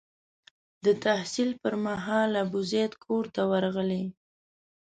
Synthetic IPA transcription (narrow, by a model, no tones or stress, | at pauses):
d̪ət̪ahsilpəɾmaɦɑlabʊzet̪kʰoɾt̪awaɾɣəle